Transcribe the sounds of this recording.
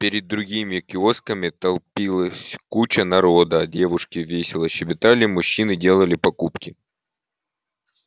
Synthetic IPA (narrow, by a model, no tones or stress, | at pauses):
pʲɪɾʲɪd̪ːɾʊɡʲimʲɪkʲɪo̞skəmʲɪt̪ɐlˠpʲilˠəsʲkut͡ɕənɐɾod̪əɐdʲe̞vʊʂkʲɪvʲesʲɪlˠəɕɪbʲɪt̪alʲɪmʊɕːinɨdʲe̞lˠəlʲɪpɐkupkʲɪ